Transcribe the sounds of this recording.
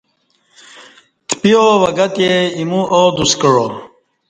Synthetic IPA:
t̪pijowɐɡɐt̪jeimuod̪uskəɻo

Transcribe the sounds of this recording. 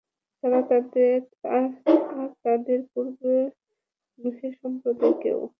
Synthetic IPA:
t̪aɾat̪ad̪eɾ | aaɾt̪ad̪eɾpuɾbe | ɡɾuʃeɾʃɔmpɾod̪okḛw

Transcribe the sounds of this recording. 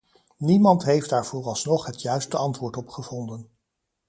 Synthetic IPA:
nimɑntɦejfdaːɹv̥oːɹɑlˠsnɔχɦətjœɥstəɑntʋʊːɹtɔpχəvɔndən

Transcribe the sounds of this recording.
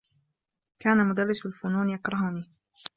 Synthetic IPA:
kaːnamʊd̪arːɪsalfʊnuːnjakɾˤɑhʊniː

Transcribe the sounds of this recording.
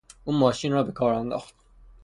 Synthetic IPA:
uːmɒːʃiːnrɒːbekʰɒːɾænd̪ɒ̰ːxt̪̚

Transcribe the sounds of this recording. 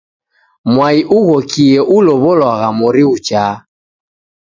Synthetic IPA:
mwaiʔuɣɔkiɛʔulɔβɔlwaɣamɔɾiut͡ʃaː

